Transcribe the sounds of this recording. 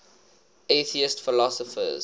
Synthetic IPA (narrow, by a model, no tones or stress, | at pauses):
eθiɪstfɪlɔsɔfə̰z